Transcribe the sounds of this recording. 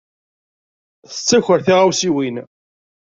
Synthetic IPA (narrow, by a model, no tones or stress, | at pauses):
θət͡sːæçəɾθiʁawsiwin